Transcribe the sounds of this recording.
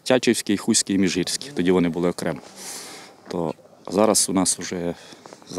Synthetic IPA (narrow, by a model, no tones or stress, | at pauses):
tʲɑt͡ʃɪwsʲkɪixusʲkɪimʲiʒirʲsʲkʲɪ̥t̪ɔdʲiʋɔnɪbʊlˠɪɔkɾɛmɐ | t̪ɔ̰ | zɑɾɐsʊnɑsʊʒɛz